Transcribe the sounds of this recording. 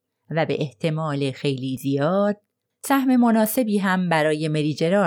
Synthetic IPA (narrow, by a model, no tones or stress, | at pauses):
væbe̞̰ʔeht̪ʰe̞mɒːlexe̞jliːzijɒːd̪̥̚ | sæhme̞monɒːse̞biːɦæmbæɾɒːje̞me̞ɾiːd͡ʒe̞ɾɒː